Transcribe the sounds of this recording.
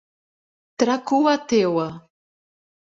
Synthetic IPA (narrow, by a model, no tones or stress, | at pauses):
t̪ɾakuat̪ewa